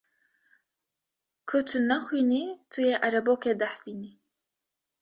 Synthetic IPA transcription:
kʰʊt̪ʰunaxwiːnit̪ʰujeʔaɾɛboːked̪aħfiːni

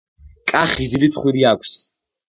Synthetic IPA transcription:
kʼaχid̪id̪it̪χwiɾiakʷʰs

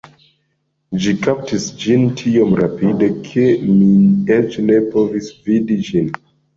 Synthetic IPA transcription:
d͡ʒikap̚tisd͡ʒintʰiomɾapidekʰemiet͡ʃne̞povisvidid͡ʒin

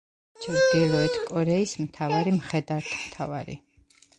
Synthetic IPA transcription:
t͡ʃʰɾd̪ilˠɔɛt̪ʰkʼɔɾɛismt̪ʰavaɾimχɛd̪aɾt̪ʰmt̪ʰavaɾḭ

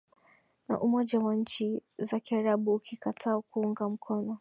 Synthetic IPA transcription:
na̰ʔumɔʄawaɲ̩t͡ʃizakiaɾaɓuːkʰikatʰaːkuuŋɡam̩kʰɔnɔ

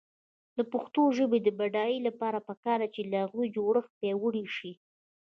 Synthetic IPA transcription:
d̪əpʊxt̪oʒəbed̪əbaɖɑjilapɑɾapəkɑɾd̪at͡ʃelahaɣujd͡ʒoɽəxpewəɽiʃi

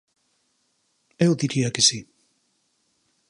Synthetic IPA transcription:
ewd̪iɾiakisi

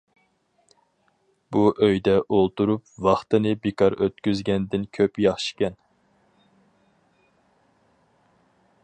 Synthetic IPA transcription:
b̥uʔøjd̪ɛʔolˠt̪uɾupvɑχt̪ɨnɨbekɑɾøt̪̚kʲyzɡʲɛnd̪ɪnkʲʰøpjɑχʃɪ̥kʲɛn

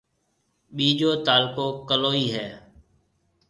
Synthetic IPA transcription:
ɓiːd͡ʒoːt̪aːlkoːkəloːiːɦɛː

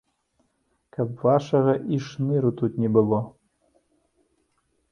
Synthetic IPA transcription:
kapvaʃɐɣɐʔiʃnɨɾut̪ut̪nʲɛbɨlo

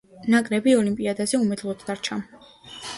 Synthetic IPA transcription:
nakʼɾɛbiɔlimpʼiad̪azɛumɛd̪lˠɔt̪ʰd̪aɾt͡ʃʰa

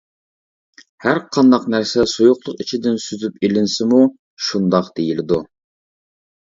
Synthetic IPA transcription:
hæɾqʰɑnd̪ɑqnæɾsɛsojuqlˠʊqit͡ʃʰid̪ɪnsyzypilɪnsɪmu | ʃund̪ɑqd̪̥ejilɪd̪u

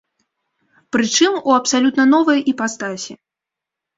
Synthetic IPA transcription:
pɾɨt͡ʂɨmuɐpsalʲut̪nɐnɔvɐjipast̪asʲi

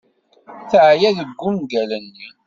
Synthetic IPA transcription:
θəʕjæðəɡʷːumɡælənːi

